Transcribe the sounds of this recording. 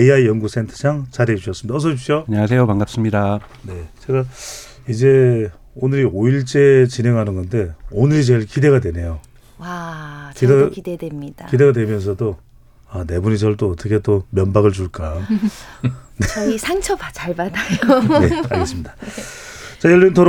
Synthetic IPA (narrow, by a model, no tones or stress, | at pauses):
eiaijʌnɡus͈ʰe̞ntʰɯ̥d͡ʑaŋt͡ɕaɾed͡ʑuɕʰʌs͈ɯmidaʌs̬ʰʌɕip̚ʰɕ͈ioaɲʌŋas̬ʰe̞jopaŋɡap̚s͈ɯmɲida | ne̞t͡ɕe̞ɡa | id͡ʑe̞ | onɯɾioiɭt͡ɕ͈e̞t͡ɕinɦe̞ŋɦanɯnɡʌnde̞onɯɾit͡ɕeɭkide̞ɣadwe̞ne̞jo | wakideidedemɲidakide̞ɡadwe̞mjʌnsʰʌdo | ane̞bunid͡ʑʌɭt͈oʌt͈ʰʌkʰe̞t͈omjʌnbaɡɯɭt͡ɕuɭk͈a | neisʰaŋt͡ɕʰʌbat͡ɕaɭbadajoeaɡes͈ɯmida | t͡ɕajʌɭːintʰʌɾ